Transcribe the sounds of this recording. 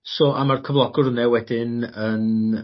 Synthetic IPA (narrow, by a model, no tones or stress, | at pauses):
sɔʔamarkʰəvlˠɔɡʊrʊnɛwɛdɪnən